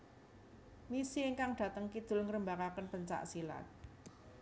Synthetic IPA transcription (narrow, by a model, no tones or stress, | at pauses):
misieŋkaŋɖ̥ä̤t̪əŋkid̪̥ʊ̤lŋəɾəmbakakənpəɲt͡ʃa̰ʔsila̰t̪̚